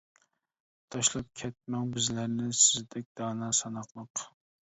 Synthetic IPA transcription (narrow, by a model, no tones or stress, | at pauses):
t̪ʰɑʃlˠɑp̚kʲʰɛt̪̚mɛŋbɪzlæɾnɪsɪzd̪ɛk̚ʲd̪̥ɑːnɑːsɑnɑqlˠəq